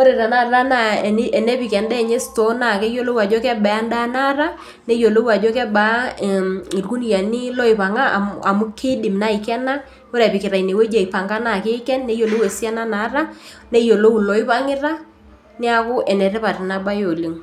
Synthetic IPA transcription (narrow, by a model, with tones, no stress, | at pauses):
o˦ɾe˨ɾa˨na˦˨ɾa˦na˦˨˦ɛ˨nɛ˦pɪ˨kɛ˨ndɛ˦˨ɲe˦sto˦na˨kɛ˦jo˦lo˦wa˨d͡ʒɔ˦kɛ˦ɓɛ˨a˦nda˦na˦ɾa˦ | ne˦jo˨lo˦wa˨d͡ʒɔ˦kɛ˦ba˦˨ | i˨rku˦n˦ja˨nɪ˦lɔ˦ɪ˨pa˨ŋa˦a̰˨a˨mʊ˦kʰe˦dɪ˨mna˦ɪ˨kɛ˦na˦ | o˦ɾɛ˨pɪ˨kɪ˨ɾa˨ine˨we˦d͡ʒa˨i˨pa˨ŋɡa˦na˦˨ke˦kɛ˦nːɛ˦jo˨lo˦we˨si˦a˦na˦na˨˦ɾa˦ | ne˦jo˨lo˦u˨lɔ˨ɪ˦pa˦ŋɪ˦ra˦ | nɪ˦a˨kʊ˦ʔɛ˨nɛ˨ɾɛ˦pa˨ɾɪ˨na˦ba˦jo˨li˨ŋ